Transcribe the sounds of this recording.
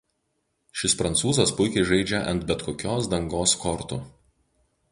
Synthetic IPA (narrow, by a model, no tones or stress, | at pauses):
ʃʲɪspɾɐnt̪suːzɐspʊɪkʲɛɪʒɐɪd͡ʒʲɛʔɐ̰nt̪bʲɛt̪kʰoːkʲoːsd̪ɐŋɡoːskɔɾt̪ʊ̰